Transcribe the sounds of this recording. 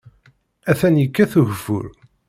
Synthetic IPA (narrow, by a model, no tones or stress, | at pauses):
æθænjəkːæθuʝfʊ̰ɾ